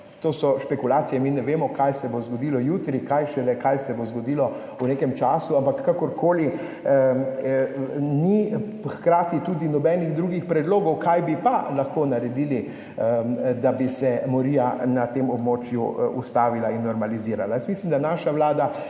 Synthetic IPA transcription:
t̪oːsɔʃpɛkulaːt̪sijɛminɛʋeːmɔkajsɛbozɡɔd̪ilɔjuːt̪ɾikajʃɛlɛkajsɛbozɡɔd̪ilɔ | unekɛmt͡ʃaːsuampakːakɔɾkʰoːli | nixkɾaːt̪it̪ud̪inɔbɛniɣd̪ɾuːɡixpɾɛd̪loːɡɔwkajbipalaxkoːnaɾɛd̪iːli | d̪abisɛmɔɾiːanat̪eːmɔbmoːt͡ʃjṵṵst̪aːʋilainːɔɾmaliziːɾalajəst̪mislimd̪anaːʃawlaːd̪a

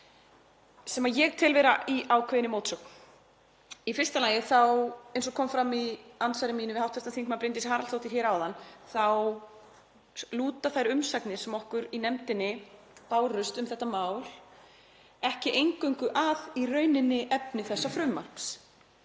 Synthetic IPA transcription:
sɛmajɛɣt̪ʰɪlvɛɾaiʔaːwkʰvɛjɪnɪmoːwt̪sœkn | ifɪrst̪alaːjɪθawejnsɔkʰɔmfɾamiansajɾɪmiːnɪvɪawht̪fɛ̥st̪anθiŋkmapɾɪnt̪̬ɪshaːɾalθowht̪ɪɾ̥çɛːɾawðanːθaw | luːt̪aθajɾʏmsaknɪ̥sɛmɔhkʏɾinɛmt̪ɪnːɪ | paːwrʏst̪ʏmθɛht̪ːamaːwl | ɛhcɪʔejŋkœɥŋkʏʔaðirœːɥnɪnːɪʔɛpnɪθɛsːafɾʏmːar̥ps

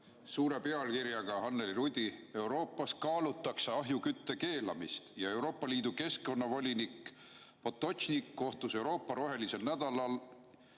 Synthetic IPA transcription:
suːɾe̞pe̞ɑlkiɾjɑɡ̥ɑɦɑnːeliɾud̪̥ʲie̞wɾo̞ːpˑːɑskɑːlut̪ːˑɑksɑɑɦjukyt̪ːe̞ke̞ːlɑmist̪jɑe̞uwɾo̞ːpːˑɑliːd̪̥uke̞sko̞nːɑvo̞lʲinik | po̞t̪ːˑo̞ɕnikːo̞ht̪use̞wɾo̞ːpːˑɑɾo̞ɦe̞lise̞lnæd̪̥ɑlɑl

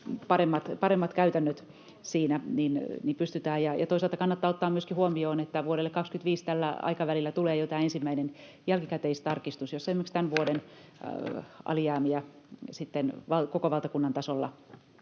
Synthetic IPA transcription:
pɑremːɑt̪pɑɾemːɑt̪kæyt̪ænːøt̪ | siːnæninnimpyst̪yt̪æːjɑjɑ̰t̪oisɑlt̪ɑkɑnːɑt̪ːɑːot̪ːɑːmyøskihuomioːnet̪ːæʋuoɾelːekɑkskyt̪ʋiːst̪ælːæ̰ɑ̰ikɑʋælilːæt̪uleːjot̪ɑiensimːæinen | jælkikæt̪eist̪ɑrkist̪usjosːesimekst̪ænʋuoden | ʔɑ̰lijɑːmiæsit̪ːenʋɑlkokoʋɑlt̪ɑkunːɑnt̪ɑsolːɑ̰

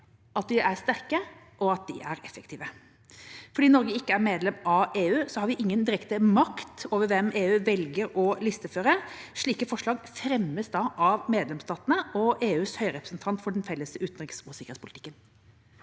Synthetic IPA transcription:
ʔɑt̪̚d̪ɪʔæɾst̪æʁkə | ʔɔɑt̪̚d̪ɪʔæɾɛfəkt̪ʰiːʋə | fɔɖiːnɔɾɡəɪkːəæɾmeːd̪lɛmʔɑʋeːʉːsɔhɑɾʋɪʔɪŋːənd̪ɪɾɛkt̪əmɑkt̪oːʋəɾʋɛmeːʉːʋɛlɡəɾɔlɪst̪əføːɾəʂɭiːkəfɔʂlɭɑːɡfɾɛmːəsd̪ɑʔɑʋmeːd̪lɛmst̪ɑːt̪ənəʔɔʔeːʉːshœʏɾɛpɾəsnt̪ʰɑnt̪fɔɖɛnfɛlːəsəʉːt̪n̩ʁɪksusɪkɾ̥etspʰʊlɪt̪ʰɪ̥kːən

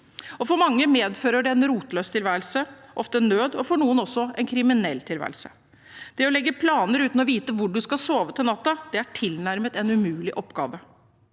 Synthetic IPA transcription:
ɔfɔɾmɑŋːəmeːd̪føːɾəɖɛɛnɾuːt̪løːst̪ʰɪlʋæːɾəlsəʔɔft̪ənøːd̪ɔfɔɳuːənɔsːɔʔɛnkʰɾɪmɪnɛlːt̪ʰɪlʋæ̰ːɾəlsə̥ | d̪̥ɛɔlɛɡːəpʰlɑːnəɾʉːt̪n̩ɔʋiːt̪əʋʊɖʉskɑsoːʋət̪ʰɪlnɑt̪ːɑd̪̥ɛæʈʰɪlnæɾmət̪ɛnʉmʉːlɪʔɔpːɡɑ̰ːʋə

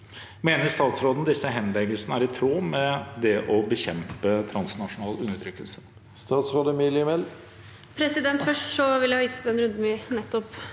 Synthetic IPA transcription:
meːnəɾst̪ɑːt̪sɾoːd̪n̩d̪ɪsːəɦɛnlɛɡəlsənəæːɾɪt̪ʰɾuːmɛd̪ɛʔɔbəçɛmpət̪ʰɾɑnsnɑʂʊnɑːlʉnːəʈ̪ʰɾʏkːəlsə̥ | st̪ɑːt̪sɾoːd̪əmilɪɛmɛl | pʰɾɛsɪd̪ɛnt̪fœʂʈsɔʋɪljæhɑːʋiːsə̥t̪d̪ɛnɾʉnd̪n̩ʋɪnɛt̪ːɔp

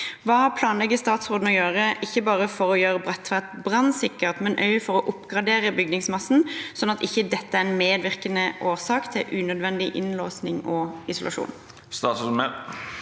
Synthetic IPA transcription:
ʋɑːhɑʁpʰlɑːnlɛɡːəst̪ɑːt̪sʁoːd̪n̩ɔjøːʁəʔɪçːəbɑːʁəfɔʁɔjøːʁəbʁɛt̪ːʋæʁt̪bʁɑnsɪkːəʁt̪mɛnʔœ̰ʏəfɔɾɔʔʊpːɡʁɑd̪eːʁəbʏɡ̚nɪŋsmɑsn̩sɔnːɑt̪ɪçːəd̪ɛt̪ːəæɾɛnmeːd̪ʋɪʁkənəʔoːʁsɑːkt̪ʰɪlʔʉːnœd̪ʋɛnd̪ɪʔɪ̰nloːsnɪŋɔɪsʊlʔɑ̰ʂṵːn | st̪ɑːt̪smɛ

